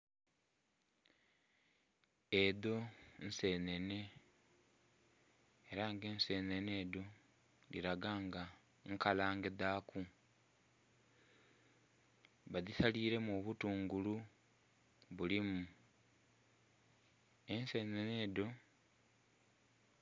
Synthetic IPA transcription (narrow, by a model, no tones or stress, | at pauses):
eðo̞n̩se̞ːne̞ne̞ | eɾaŋɡe̞ːnse̞ːnene̞ːdo̞ | lḭɾaɡaːŋɡa | ŋkalaːŋɡe̞ðaːkʰu | βaðisaliːɾe̞moβutuːŋɡulu | βulimu | ense̞nene̞ːdo̞